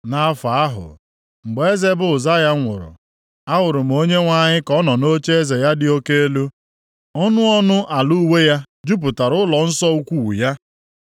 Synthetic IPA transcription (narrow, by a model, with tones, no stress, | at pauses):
na˨˦fa˨a˦ɦʊ̰˨ | ŋ͡m̩˨ɡ͡be˨e˦ze˦bʊ˨za˦ja˦ŋʷʊ̰˨ɾʊ̰˨ | a˦wʊ˨ɾʊ˨m̩˨˦o˦ɲe˦ŋʷa˦ɲɪ˦kɔ˦nɔ˨no˦t͡ʃe˦e˦ze˨ja˦dɪ˦o˦ke˦e˦lu˦ | ɔ˦nʊ˦ɔ˦nʊ˦ʔa˨lu˦we˦ja˦ | d͡ʒu˦p̬ʊ˨ta˨ɾʊ˦lɔ˨n̩˦sɔ˦u˦kʷu˦˨wu˨ja˦